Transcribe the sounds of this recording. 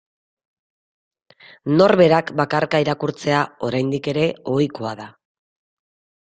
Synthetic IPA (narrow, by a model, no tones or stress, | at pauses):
no̞ɾβe̞ɾakbakaɾkaiɾakuɾt͡se̞ao̞ɾajnd̪ike̞ɾe̞o̞jkoaða